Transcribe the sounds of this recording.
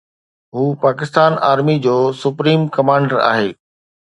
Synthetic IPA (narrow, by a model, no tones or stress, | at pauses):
ɦuːpaːkɪst̪aːnaːɾmid͡ʑoːsʊpɾiːmkɐmãːɳɖəɾa̰ːɦeː